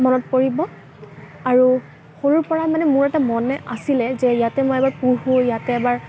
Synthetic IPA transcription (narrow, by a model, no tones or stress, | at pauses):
mɔnɔt̚poɹibɔ | aɹu | xoɹuɹpɔɹamanɛmʊɹɛtamɔnɛʔasilɛzɛjatɛmojɛbaɹpuɦujatɛːbaɹ